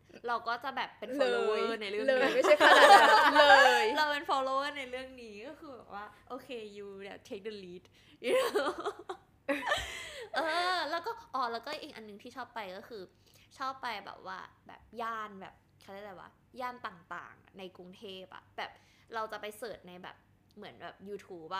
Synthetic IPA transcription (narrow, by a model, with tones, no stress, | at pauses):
ɾa˧wkɔː˥˩t͡ɕa˨˩bɛː˨˩pːe˧nfɔ˧loː˧ɤː˥˩na˧jɾɯ˥˩lːŋma˦a˥˩a˧alɤː˧jɾa˧wpe˧nfɔː˧loː˧wəː˥˩na˧jɾɯ˥˩əŋniː˦kɔː˥˩xɯː˧bɛː˨˩k̚waː˥˩ʔoː˧kʰeː˧juː˧lɛ˨˩t͡ɕʰe˦˥k̚de˧liː˦˥t̪̚ | j | ʔɤː˧lɛ˦˥wkɔː˥˩ʔɔː˨˩lɛː˦˥wkɔː˥˩ʔiː˨˩ŋʔa̰˧nːɯ˨˩ŋt̪ʰiː˥˩ɔː˥˩pːa˧jkɔː˥˩xʰɯː˧ | t͡ɕʰɔː˥˩pːa˧jbɛ̰ː˨˩p̚waː˥˩bɛ̰ː˨˩p̚jaː˥˩nbɛ̰ː˨˩p̚ | kʰa˧˥˩d̪aː˥˩la˧˩wa̰ː˥˩ | jaː˥˩nt̪aː˨˩ŋt̪a̰ː˨˩ŋna˧jku˧ŋt̪ʰeː˥˩p̚ʔa̰˨˩ʔb̥ɛː˨˩p̚ | ɾa˧wt͡ɕa˨˩pa˧jsɤː˨˩t̪̚na˧jbɛ̰ː˨˩p̚ | mɯ˩˦ənbɛ̰ː˨˩p̚juː˧t̪ʰuː˦˥p̚ʔa˨˩